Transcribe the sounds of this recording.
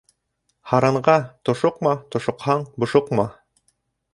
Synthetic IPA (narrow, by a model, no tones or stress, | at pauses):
hɑɾɑɴɢɑt̪ŏʃoqmɑt̪ŏʃŏqhɑɴbŏʃoqmɑ